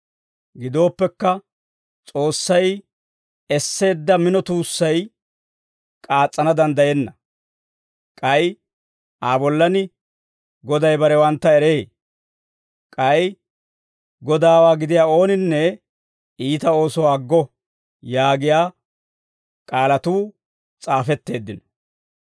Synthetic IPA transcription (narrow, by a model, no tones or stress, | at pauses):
ɡɪd̪o̞ːpːɛkːɐ | t͡sʼo̞ːsːɐj | ɛsːe̞ːd̪ːɐmɪnɔt̪uːsːɐj | kʼaːt͡sʼːɐnɐd̪ɐnd̪ɐjɛnːɐ | kʼɐj | ʔaːbɔlːɐnɪ | ɡɔd̪ɐjbɐɾɛwɐnt̪ːɐɛɾeː | kʼɐj | ɡɔd̪aːwaːɡɪd̪ɪjaːo̞ːnɪnːɛ | iːt̪ɐo̞ːsɔwaːɡːɔ | jaːɡɪjaː | kʼaːlɐt̪uː | t͡sʼaːfɛt̪ːe̞ːd̪ːɪnɔ